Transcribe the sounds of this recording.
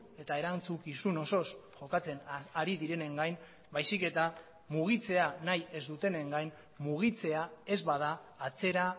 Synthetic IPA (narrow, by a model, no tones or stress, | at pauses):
e̞t̪aeɾant͡sukisuno̞so̞sʝo̞kat͡se̞naɾiðiɾe̞ne̞ŋɡajn | bajsike̞t̪a | muɣ̞it͡se̞anaje̞zd̪ut̪e̞ne̞ŋɡajn | muɣ̞it͡se̞ae̞zβað̞aːt͡se̞ɾa